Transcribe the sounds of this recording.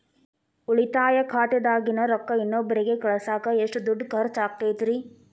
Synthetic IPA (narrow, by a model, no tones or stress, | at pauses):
uɭit̪aːjɐkʰaːʈed̪aːɡinɐɾɐkːɐinːoːbɐɾeɡekɐɭɐsaːkɐeʂʈd̪uɖkɐɾt͡ʃaːk̚ʈeːt̪ɾi